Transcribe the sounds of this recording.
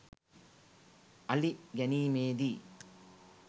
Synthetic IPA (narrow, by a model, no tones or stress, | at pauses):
ɐliɡɐniːmeːd̪i